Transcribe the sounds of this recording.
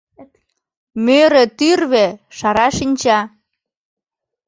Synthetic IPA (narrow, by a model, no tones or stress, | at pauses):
møɾĕt̪yrβeʃɑɾɑʃinʲt͡ɕɑ